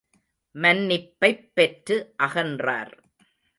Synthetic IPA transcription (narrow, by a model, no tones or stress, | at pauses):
mɐnːɪpːɐɪpːɛʈrɯʔɐɣɐndra̰ːɾ